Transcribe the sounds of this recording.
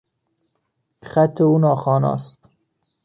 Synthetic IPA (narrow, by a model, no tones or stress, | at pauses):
xæt̪ʰːeuːnɒːxɒːnɒ̰ːst̪